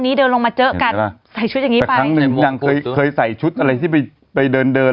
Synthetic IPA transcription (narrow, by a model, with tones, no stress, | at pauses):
nːiː˦˥dɤː˧nlo˧ŋmaː˧t͡ɕɤ˦˥ʔka˧nsa˨˩jt͡ɕʰu˦˥t̪̚ja˨˩ŋiː˦ɛ˨˩akɾa˦˥ŋnɯ˨˧˩ŋja˧ŋkʰɤː˧jkʰɤː˧jsa˨˩jt͡ɕʰu˦˥t̪̚ʔa˧ɾa˧jt̪ʰiː˥˩pa˧j | pa˧jdɤː˧ndɤː˧